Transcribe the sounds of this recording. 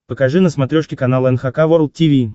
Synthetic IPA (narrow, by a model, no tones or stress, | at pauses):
pəkɐʐɨnəsmɐt̪ɾʲoʂkʲɪkɐnalˠəɛnxakavoɾlˠtʲivʲi